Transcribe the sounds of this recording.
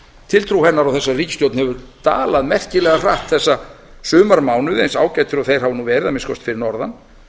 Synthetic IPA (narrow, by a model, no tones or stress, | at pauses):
t̪ʰɪlt̪ʰɾuhɛnːaɾawθɛsːariːcɪ̥st̪jowt̪nhɛvʏɾt̪a̰ːlaðmɛr̥cɪlɛɣar̥aht̪θɛsːa | sʏːmaɾmaːwnʏðḛjnsaːwcaːjt̪ʏɾɔɣθejɾ̥havnuvɛːɾɪðamɪskɔst̪fɪɾɪɾnɔɾðan